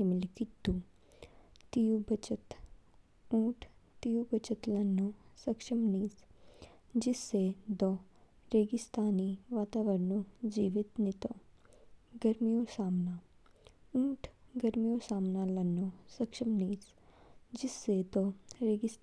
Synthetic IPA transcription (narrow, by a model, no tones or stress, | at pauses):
imɪlkit̪ːu | t̪ijubɐt͡ʃət̪ | ũːʈʰt̪ijubɐt͡ʃɐt̪lɐnːusɐkʃɐmniːs | d͡ʒɪsːed̪ɔ | ɾeːɡɪst̪ʰaːniʋaːt̪aːʋɐɾnod͡ʒiːʋit̪nit̪o | ɡɐɾmijosaːmnaː | ũːʈʰɡɐɾmijoːsaːmnaːlɐnːosɐkʂʃɐmniːs | d͡ʒɪsːed̪oɾeːɡɪs